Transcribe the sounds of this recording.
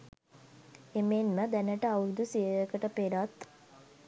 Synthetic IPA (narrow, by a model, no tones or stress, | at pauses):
emenməd̪ænəʈəawɾud̪usiəjəkəʈəpeɾat̪